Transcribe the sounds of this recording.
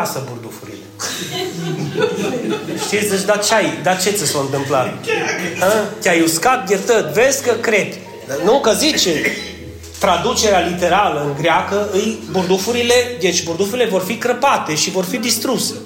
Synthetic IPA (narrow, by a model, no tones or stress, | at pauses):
asəburd̪ufuɾḭle̞ | ʃt̪isʲəʃd̪at͡ʃeajd̪at͡ʃe̞t̪sʲəsoɨnt̪ɨmplat̪ | ət̪ʲajuskat̪̚jet̪ət̪vezʲkəkɾe̞p̪ʲ | nukəzit͡ʃe | t̪ɾad̪ut͡ʃe̞ɾealit̪e̞ɾaləɨŋɡɾeakəɨjburd̪ufuɾile̞d̪e̞t͡ʃʲburd̪ufuɾile̞vo̞rfikɾəpat̪e̞ʃivo̞rfid̪ist̪ɾuse